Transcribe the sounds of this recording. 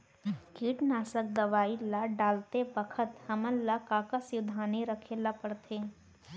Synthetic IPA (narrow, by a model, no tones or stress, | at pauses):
kiːʈnaːsək̚d̪ɐʋaːilaɖaːlt̪ebəkʰət̪hɐməlːakaːkəsjʊd̪ʱaːneɾəkʰeːlapəɽt̪ʰeː